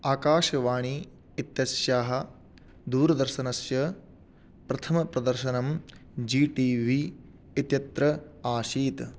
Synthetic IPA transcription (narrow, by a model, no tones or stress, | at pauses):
aːkaːʃɐʋaːɳi | it̪jɐsjaːɦɐ̆ | d̪uːɾɐd̪ɐɾʃɐnɐsjɐ | pɾɐt̪ʰɐmɐpɾɐd̪ɐɾʃɐnɐmd͡ʒiːʈiːʋiː | it̪jɐt̪ɾɐaːʃiːt̪